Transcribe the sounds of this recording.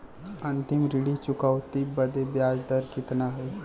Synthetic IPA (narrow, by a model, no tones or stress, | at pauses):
ɐ̃nt̪ɪmɾɪɽit͡ʃʊkəʋt̪ibɐd̪ebjaːd͡ʒd̪əɾkɪt̪naɦɛ